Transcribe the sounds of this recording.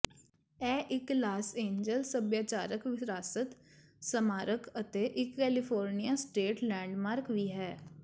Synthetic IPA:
ɛːʔɪklaːsẽːɲd͡ʒəlsəbjaːt͡ʃaːɾəkʋɪɾaːsət̪ | səmaːɾəkət̪eːʔɪkːɛːlɪpʰoːɾnijaːsʈeːʈlɛ̃ːɳɖmaːɾkʋiːɦɛː

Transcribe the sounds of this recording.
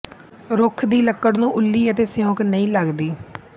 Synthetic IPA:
ɾʊkʰd̪iːləkːəɽnũːʔʊlːiːət̪eːsɪjõːknəĩːləɡd̪iː

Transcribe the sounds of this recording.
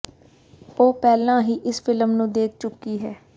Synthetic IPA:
oːpɛːlãːɦiːʔɪsfɪləmnũːd̪eːk̚ʰt͡ʃʊkːiːɦɛː

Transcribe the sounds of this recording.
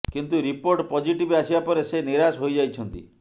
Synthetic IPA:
kint̪uɾipoɾʈpɔd͡ʒiʈibasibapɔɾeseniɾasɦojd͡ʒajt͡ʃʰɔnt̪ḭ

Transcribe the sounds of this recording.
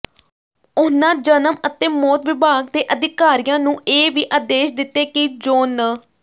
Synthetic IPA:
ʊnãːd͡ʒənəmət̪eːmɔːt̪ʋɪbaːɡd̪eːʔəd̪ɪkaːɾijãːnũːeːʋiːʔaːd̪eːʃd̪ɪt̪ːeːkid͡ʒoːnə

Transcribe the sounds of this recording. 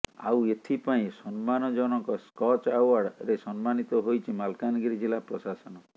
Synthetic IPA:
a̰wet̪ʰipaĩsɔnmanɔd͡ʒɔɽ̃ɔŋkɔskɔt͡ʃawaɽɾesɔnmanit̪ɔɦojt͡ʃʰimalkanɡiɾid͡ʒilapɾɔsasɔnɔ

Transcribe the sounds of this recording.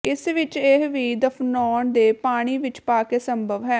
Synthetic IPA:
ɪsʋɪt͡ʃeɦʋiːd̪əpʰnɔːɳd̪eːpaːɽ̃iːʋɪt͡ʃpaːkeːsəmbʱəʋɦɛː

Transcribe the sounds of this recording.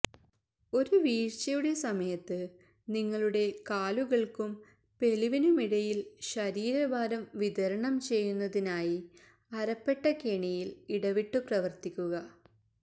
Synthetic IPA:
o̞ɾuʋiːrt͡ɕɐjuɽe̞sɐmɐjɐt̪ːɨ | niŋːɐɭuɽe̞kaːluɣɐɭkum | pe̞liʋinumiɽɐjilɕɐɾiːɾɐbaːɾɐmʋid̪ɐɾɐɳɐmt͡ɕe̞jːunːɐðinaːji | ɐɾɐpːe̞ʈːɐkeɳijiliɽɐʋiʈːuprɐʋɐrt̪ikʲːuɣɐ

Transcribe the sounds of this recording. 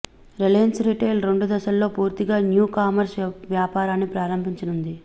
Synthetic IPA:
ɾelensɾiːʈeːlɾe̞ɳɖud̪ɐʃɐlːo̞ːpuːɾt̪iɡaːnjuːkaːmɐɾsʋjaːpaːɾaːnːipɾaːɾɐmbʱiɲt͡ʃɐnund̪i

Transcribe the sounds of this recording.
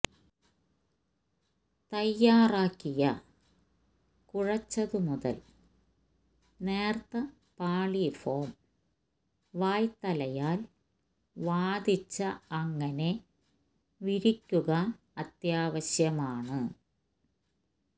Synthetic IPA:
t̪ɐjːaːraːkːijɐ | kuɻɐt͡ɕːɐðɨmuðɐ̰l | neːrt̪ɐ | paːɭifoːm | ʋaːjt̪ɐlɐjaːl | ʋaːd̪it͡ɕːɐːŋːɐne̞ | ʋiɾikʲːuɣɐ | ɐt̪jaːʋɐɕjɐmaːɳɨ

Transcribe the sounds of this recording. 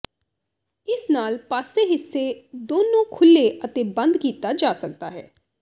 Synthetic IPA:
ɪsnaːlpaːseːɦɪsːeːd̪oːnõːkʰʊlːeət̪eːbə̃nd̪kiːt̪aːd͡ʒaːsək̚d̪aːɦɛ̰ː

